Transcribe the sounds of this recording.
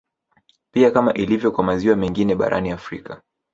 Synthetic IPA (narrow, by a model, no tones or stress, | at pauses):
piakamaʔilivjɔkwamaziwamɛŋɡinɛɓa̰ɾʔa̰niafɾikʰa